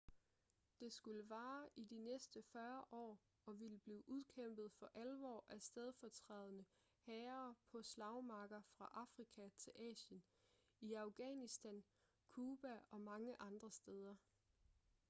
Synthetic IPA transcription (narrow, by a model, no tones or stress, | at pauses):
d̥e̝sɡ̥uləʋɑ̈ːʔid̥inesd̥əfɶɐʔɒ̰ː | ɒ̽ʋiləb̥liːʔuð̞ˠkʰem̰b̥ð̩ˠfɒ̽ʔælʋɒ̰ːʔæsd̥eð̞ˠfɒt͡sʰʁɛːð̞ˠnə | hɛːɐpʰɒ̽slɑ̈ʊmɑ̈ɡ̥ɐfʁɑ̈ʔɑ̈fʁikʰæt͡sʰe̝lʔɛ̰ːɕən | iɑ̈ʊɡ̥ɛːnisd̥æn | kʰuːb̥æɒ̽mɑ̈ŋəʔɑ̈nd̥ʁɐsd̥eð̞ˠɐ